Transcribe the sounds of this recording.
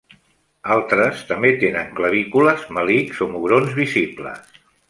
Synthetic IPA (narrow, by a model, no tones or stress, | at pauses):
alˠt̪ɾəst̪əmbet̪enəŋkləβ̞ikuləzməlikzomuɣɾonzβiziplə̰s